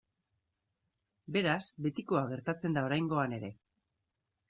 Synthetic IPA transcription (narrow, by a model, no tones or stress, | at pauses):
be̞ɾasbe̞t̪iko̞aɣ̞e̞ɾt̪at͡se̞nd̪ao̞ɾajŋɡo̞ane̞ɾe̞̰